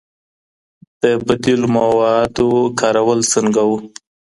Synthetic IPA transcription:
d̪̥əbad̪ilmawɑd̪okɑɾawəlsəŋɡawu

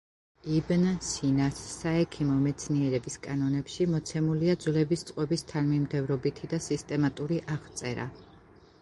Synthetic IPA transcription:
ibnsinasːaɛkʰimɔmɛt̪sʰniɛɾɛbiskʼanɔnɛpʃimɔt̪sʰɛmuliad̪zlɛbist̪sʼqʼwɛbist̪ʰanmimd̪ɛvɾɔbit̪ʰid̪asist̪ʼɛmat̪ʼuɾiʔaʁt̪sʼɛɾa̰

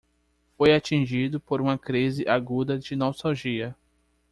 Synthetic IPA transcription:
fojat͡ʃĩʒid̪ʊpoɾũmɐkɾizɪʔaɡud̪ɐd͡ʒɪnɔst̪awʒiɐ

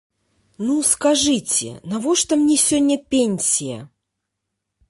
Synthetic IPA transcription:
nuskaʐɨt͡sʲɪ̰nɐvoʂt̪ɐmnʲesʲɵnʲːəpʲenʲsʲijə̰

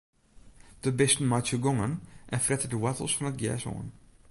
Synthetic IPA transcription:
d̥əbɪstn̩majtsəɡɔŋənʔɛnfrɛtədəwɛtəl̩ˠsfɔnət̚ɡjɛ̰ːso̰ːə̰n

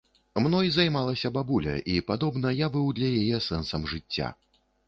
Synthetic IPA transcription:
mnɔjzajmalˠɐsʲɐbabulʲɐ̰ʔipad̪ɔbnɐjabɨwd̪lʲɐjajɛsɛnsɐmʐɨt͡sʲːa̰

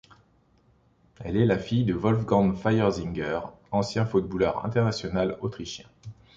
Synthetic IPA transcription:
ɛlɛlafijd̪əvɔlfɡɑ̃nfajɛʁziŋɡœʁ | ɑ̃sjɛ̃fut̪̚bulœʁɛ̰̃t̪ɛʁnasjɔnalot̪χiʃjɛ̃

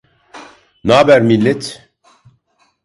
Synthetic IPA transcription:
naːbæɾmilːet̪ʰ

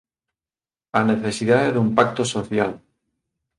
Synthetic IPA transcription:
aneθe̞siðaeðumpak̚t̪osoθjal

